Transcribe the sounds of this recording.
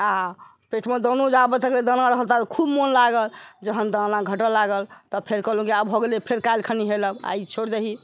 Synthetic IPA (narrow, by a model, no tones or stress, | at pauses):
a | peʈʰmed̪onud͡ʒabət̪əkled̪ənaɾəɦəlt̪at̪kʰubmonlaɡəld͡ʒəɦənd̪ənãɡʱəʈəlːaɡəlt̪ɔpʰeɾkəɦlũkiabɦoɡelepʰeɾkajlkʰəniɦeləba̰it͡ʃʰoɽd̪eɦi